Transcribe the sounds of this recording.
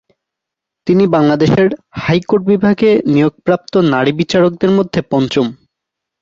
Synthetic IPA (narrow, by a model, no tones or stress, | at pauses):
t̪inibaŋlad̪eʃeɾhajkoɾʈ̚bibʱaɡenijoɡ̚pɾap̚t̪onaɾibit͡ɕaɾok̚d̪eɾmod̪ʱːepɔnt͡ɕom